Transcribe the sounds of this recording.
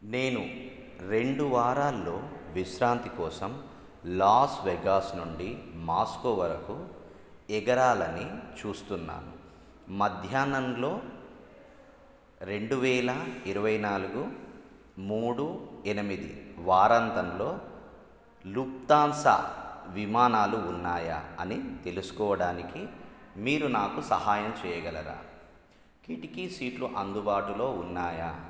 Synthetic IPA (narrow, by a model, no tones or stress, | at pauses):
ne̞ːnu | ɾe̞ɳɖuʋaːɾaːlːo̞ːʋiʃɾaːnt̪ikɔːsɐm | laːsʋɛɡaːsnuɳɖimaːskoʋɐɾɐku | ɛɡɐɾaːlɐnit͡ʃuːst̪unːa̰ːnṵ | mɐd̪ʱjaːnɐmlo̞ː | ɾe̞ɳɖuʋɛːlɐiɾɐʋɐjnaːluɡu | muːɽuenimid̪ḭʋaːɾɐnt̪ɐnlo̞ː | luk̚t̪aːnsɐ̰ʋimaːnaːluːnːaːja̰ɐnit̪e̞lusu̥kɔːʋɐɽaːnikimiːɾunaːkusɐɦaːjɐmt͡ʃɛːjɐɡɐlɐɾa̰ː | kiʈikisiːʈluʔɐnd̪ubaːʈulo̞ːunːaːjaː